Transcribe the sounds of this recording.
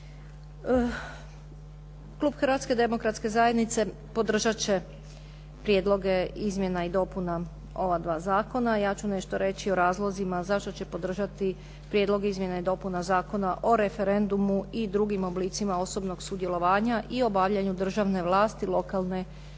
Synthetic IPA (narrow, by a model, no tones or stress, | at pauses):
klˠuːbxrʋat̪ske̞d̪e̞mo̞kɾat̪ske̞zaje̞d̪nit̪se̞ | po̞d̪r̩ʒat͡ɕe̞ | pɾjed̪lˠo̞ɡe̞izmʲje̞naid̪o̞puna | o̞ʋad̪ʋaːzaːko̞najaːt͡ɕune̞ʃt̪oɾe̞t͡ɕioɾaːzlˠozimazaʃt̪o̞t͡ɕe̞po̞d̪r̩ʒat̪i | pɾjed̪lˠo̞ɡizmje̞naid̪o̞punazaːko̞naʔo̞ɾe̞feɾe̞nd̪umuid̪ɾuɡimo̞bliːt̪simao̞so̞bno̞ɡsud̪jelˠo̞ʋaːɲaʔio̞baʋʎaɲud̪r̩ʒaʋne̞ʋlˠaːst̪ilˠo̞kalˠne̞